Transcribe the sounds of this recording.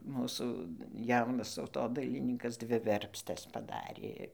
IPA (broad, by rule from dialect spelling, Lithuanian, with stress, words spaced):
ˈmuːsuː ˈjɛʊnɐs tɐʊtoːdɐɪlʲɪˈnʲiːkɐs ˈdʲʋʲɪ ˈʋʲɛrʲpʲsʲtʲɛs pɐˈdɑːrʲeː